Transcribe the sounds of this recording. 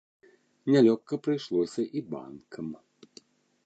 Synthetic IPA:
nʲalʲɔkːɐpɾɨjʂlˠɔsʲɐʔiba̰nkʰɐm

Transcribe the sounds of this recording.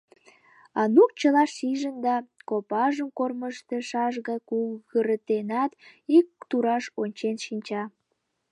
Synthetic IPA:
ɑnuk̚t͡ɕəlɑʃiʒənd̪ɑkopɑʒəmkorməʃt̪eʃɑʒɣɑjkuɣəɾət̪enɑt̪ik̚t̪uɾɑʃonʲt͡ɕenʃinʲt͡ɕɑ

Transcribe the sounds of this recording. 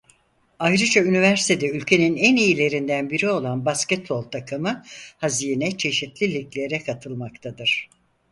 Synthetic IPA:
ajɾɯd͡ʒaynivæɾsit̪ʰed̪ɛylʲcʰe̞ninænijilʲe̞ɾind̪ænbiɾio̞lˠanbascɛt̪̚bo̞lˠt̪ʰakʰɯmɯhazijnɛt͡ʃʰe̞ʃit̪lʲilʲiclʲe̞ɾɛkʰat̪ʰɯlˠmakt̪ʰad̪ɯɾ̥

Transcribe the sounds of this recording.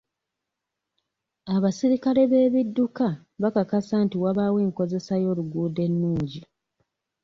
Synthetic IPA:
aβasiɾikale̞βe̞ːβidːuka | βakakasaːntiwaβaːwe̞ːŋko̞ze̞sajo̞ːluɡuːde̞nːuːɲɟi

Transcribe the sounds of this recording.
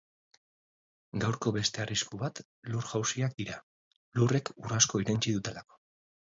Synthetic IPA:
ɡawɾko̞βe̞st̪e̞ariskuβat̪ | luɾʝawsiak̚d̪iɾa | lure̞kurasko̞iɾent͡ʃiðut̪e̞lako

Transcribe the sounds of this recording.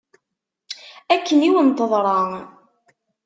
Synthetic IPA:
ækːəniwənt̪əðˤɾˤɑ

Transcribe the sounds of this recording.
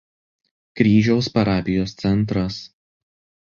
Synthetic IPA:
kɾʲiːʒʲɛʊspɐɾɑːpʲɪjoːst̪sʲɛnˑt̪̬ɾɐs

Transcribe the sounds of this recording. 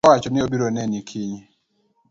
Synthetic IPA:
wat͡ʃɔnɪobiɾonɛnikʰiɲ

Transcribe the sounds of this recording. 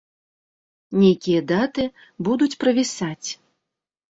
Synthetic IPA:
nʲejkʲijɐd̪at̪ɨ | bud̪ut͡sʲpɾɐvʲisat͡sʲ

